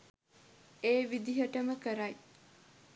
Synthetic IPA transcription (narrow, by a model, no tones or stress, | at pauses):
eːʋid̪iɦəʈəməkəɾɐj